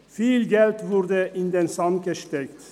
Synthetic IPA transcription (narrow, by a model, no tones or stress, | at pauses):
fiːlɡɛlt̪vʊɾd̪əʔɪnd̪ensɑmɡəʃt̪ɛkt̪